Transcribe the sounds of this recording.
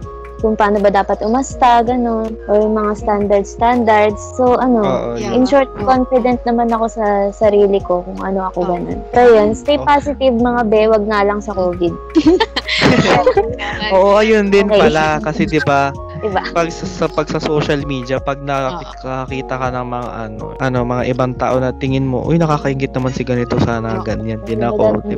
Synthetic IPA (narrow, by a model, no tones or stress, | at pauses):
kʊŋpaːno̞bɐd̪aːpɐt̪ʊmɐst̪aɡɐno̞nʔojʊŋmɐŋast̪and̪ɐɾd̪̚st̪and̪ɐɹd̪sːoʔɐno̞ʔɪnʃoɹt̪̚konfɪd̪ɛnt̪̚nɐmanɐko̞sɐsɐɾiːlɪko̞kʊŋʔɐ̰no̞ʔɐko̞ɡɐno̞̰npɛɾojonst̪ejpaːsɪt̪ɪvmɐŋabɛːwɐɡ̚nɐlɐŋsɐkoːvɪd̪̚ | ʔoːʔoʔɐjond̪ɪnpɐlakɐsɛd̪ɪba | d̪ɪbapɐɡsɐsɐpɐɡ̚sɐso̞ːʃɐlmiːd̪iɐpɐɡ̚nɐk | kɐɐkiːt̪ɐkɐnɐŋmɐŋa̰ʔɐno̞̰ʔɐno̞mɐŋaʔɪbaŋt̪a̰ːʔonɐt̪ɪŋɪnmo̞̰ʔojnɐkaːkɐhɪŋɡɪt̪̚ɐmansɪɡɐnɪt̪osaːnɐɐɡɐnjand̪ɪnaoɪ